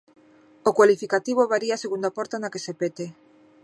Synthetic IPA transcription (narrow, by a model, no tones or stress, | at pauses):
okwalifikat̪iβ̞oβaɾiaːseɣund̪apɔɾt̪anakesepet̪e